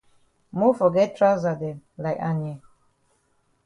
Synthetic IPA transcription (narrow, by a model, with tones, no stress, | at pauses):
mo˦fɔ˨ɡɛ˦t̚tʰɹa˦za˨dɛ˨la˨ɪka˨nɛ˨